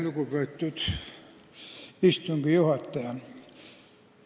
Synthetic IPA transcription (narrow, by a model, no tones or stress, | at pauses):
lukupøit̪tyt̪ | ist̪uŋkijuhɑt̪ːɑjɑ